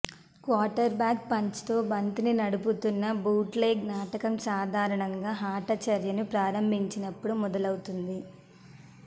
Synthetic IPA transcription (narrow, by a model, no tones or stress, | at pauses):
kwaːʈɐɾbjaːk̚pɐɲt͡ʃi̥t̪oːbɐnt̪ininɐɽuput̪unːɐbuːʈleːɡnaːʈɐkɐmsaːd̪ʱaːɾɐɳɐŋɡaːɦaːʈɐt͡ʃɐɾjɐnupɾaːɾɐmbʱiɲt͡ʃinɐpːuɽumɔd̪ɐlɐwut̪und̪i